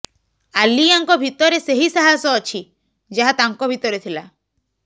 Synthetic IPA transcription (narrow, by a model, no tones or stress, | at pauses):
aliaŋkɔbʱit̪ɔɾeseɦisaɦasɔːt͡ʃʰi | d͡ʒaɦat̪aŋkɔbʱit̪ɔɾet̪ʰila